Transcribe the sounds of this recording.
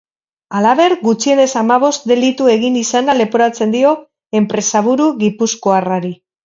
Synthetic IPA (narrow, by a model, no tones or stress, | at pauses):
alaβe̞ɾɡut͡ʃie̞ne̞samaβ̞o̞st̪d̪e̞lit̪ue̞ɣ̞inisanale̞poɾat͡se̞nd̪io̞ | e̞mpɾe̞saβuɾuɣipuskoaraɾi